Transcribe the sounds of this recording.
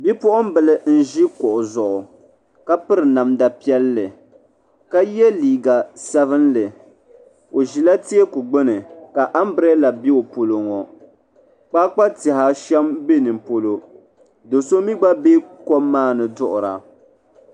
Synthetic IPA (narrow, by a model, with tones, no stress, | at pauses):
bi˦pʊ˦ʔʊ˦m˦bɨ˨lɨ˨n̩˦ʒi˦kʊ˨ʔʊ˨zʊ˨ʔʊ˨ | ka˦pɨ˦ɾɨ˨na˨mda˨pi˦ɛ˦lːɨ˨ | ka˦jɛ˦liː˨ɡa˨sɛ˦vɨ˦nlɨ˨ | o˨ʒi˨la˦ti˦e˦ku˨ɡ͡bɨ˦nɨ˨ka˨ʔa˦m˦bɾɛ˦la˨bi˦o˨po˨lo˨ŋɔ˨ | k͡paː˦k͡pa˦tɪ˨ɦa˦ʃɛ˦mbe˦nɨ˨mpo˦lo˦ | do˨so˦mi˦ɡ͡ba˦be˦kɔ˦mːaː˦˨nɨ˨dʊ˦ʔʊ˨ɾa̰˨